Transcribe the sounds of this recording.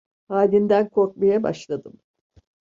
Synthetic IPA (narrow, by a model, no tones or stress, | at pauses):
haːlʲind̪ænkʰo̞ɾk̚majaba̰ʃlˠad̪ɯm